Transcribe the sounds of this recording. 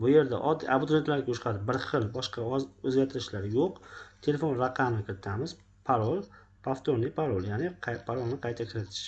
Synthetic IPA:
bʊje̞ɾd̪a̰ʔɒd̪ːiabʊd̪ɾet̪laɾɡʲaʊʃqʰad̪ɪbɪɾχɨlˠbɒʃqɑɒɵzɡʲaɾt̪ʰɪɾɪʃlaɾjoqt̪ʰe̞le̞fo̞nɾaqʰːɑmnɪkʲʰɪɾɪ̥t̪ʰamɪz̥ | pʰaɾolˠ | pʰaft̪ʰoɾnɪpʰaɾolˠjanɪpʰaɾolˠnɪqʰɑjt̪ʰakʲʰɪɾɪt̪ʰɪ̥ʃ

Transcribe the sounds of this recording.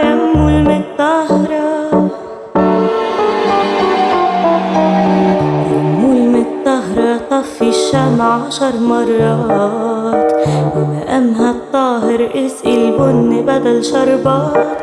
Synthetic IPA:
jamːuːlmɪt̪ˤːɑhɾˤɑ | jaːuːlmɪt̪ˤːɑhɾˤɑt̪ˤɑfiʃːamʕaʃɑɾˤmɑrˤːɑːt̪wɪlːaʔamɦat̪ˤːɑːɦɪɾʔɪsʔɪlbʊnːbad̪alʃɑɾˤbɑːt̪

